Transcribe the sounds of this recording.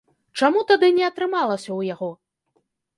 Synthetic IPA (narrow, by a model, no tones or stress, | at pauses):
t͡ʂamut̪ad̪ɨnʲɛɐt̪ɾɨmalˠɐsʲɐwjaɣɔ